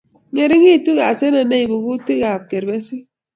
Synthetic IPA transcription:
ŋe˨ɾi˦ŋi˦˨tu˦ɣa˨se˦na˨ne˦i˨bu˨ɡu˦ti˦ɣa˨b̚ke˨ɾbe˦si˦

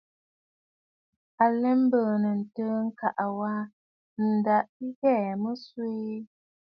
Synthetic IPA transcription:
a˨lɛ˦m˦bə˨nə˨n̩˨tə˦ŋ̩˦ka˨ʔwa˦ | n̩˨da˦ʔi˦ɣɛ˦˨mə˦swe˦

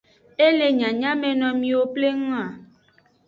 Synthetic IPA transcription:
e˦le˦ɲã˨ɲã˦mɛ˨nɔ̃˨mĩ˦wo˦ple˦ŋũ˦a˨

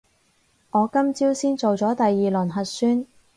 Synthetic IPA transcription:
ŋɔː˨˧kɐ˥mt͡siː˥wsiː˥nt͡so˨wt͡sɔː˨˥t̪ɐ˨jːiː˨lɵː˨˩nɦɐ˨t̚syː˥n

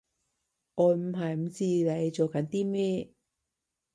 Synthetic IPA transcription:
ŋɔː˨˧m̩˨˩ɦɐ˨jm̩˨˩t͡siː˧le˨˧jt͡so˨wkɐ˨˥nt̪iː˥mɛː˥

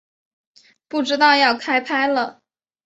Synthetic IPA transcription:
pu˥˩ʈ͡ʂɻ̩˥t̪ɑ˥˧ʊjɑ˥˩ʊkʰa˥ɪpʰa˥ɪlə˨

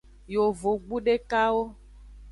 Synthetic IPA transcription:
jo˨vo˨ɡ͡bu˦ɖe˦ka˦wo˦

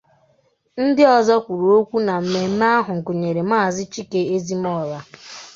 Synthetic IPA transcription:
n̩˦dɪ˦ɔ˨zɔ˦kʷu˨ɾu˨o˦kʷu˦na˨m̩˦me˦m̩˦m˦a˦ɦʊ˨ŋ̩˨kʊ˨ɲe˨ɾe˨m̩˦aː˦˨zɪ˦t͡ʃi˦ke˦e˦zi˦m̩˦ɔ˦˨la˦

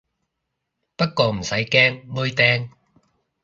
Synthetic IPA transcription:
pɐ˥t̚kɔː˧m̩˨˩sɐ˨˥jkɛː˥ŋmɵː˥jt̪ɛː˥ŋ

